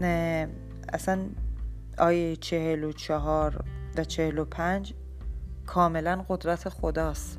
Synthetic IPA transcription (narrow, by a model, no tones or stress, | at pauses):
n | æ̰sæn | ɒːjejt͡ʃʰehelot͡ʃʰɒɦɒːɾvæt͡ʃʰehelopʰænd͡ʒ | kʰɒːme̞lænɢo̞d̪ɾæt̪ʰexod̪ɒːst̪